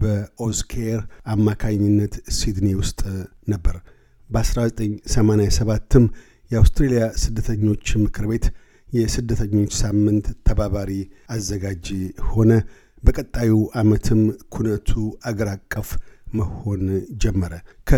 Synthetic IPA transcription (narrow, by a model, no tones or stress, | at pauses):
bəoskʰeɾamːakʰaɲːɪnːət̪sid̪niwʊst̪ʼ | nəbːəɾ | bəasɾazət̪ʼəɲːsəmanejasəβat̪ʰːɨm | jɛawst̪ɾelijasɨd̪ːət̪ʰəɲːo̞t͡ʃːmɨkʰɨɾbe̞t̪ | jɛsɨd̪ːət̪ʰəɲːo̞t͡ʃːsamːɨnt̪ʰːəbaβaɾiazːəɡad͡ʒho̞nə | bəkʼət̪ʼːajuʔamət̪ʰɨmkʰunət̪ʰuaɡəɾakʼːəfməho̞nd͡ʒɛmːəɾəkʰə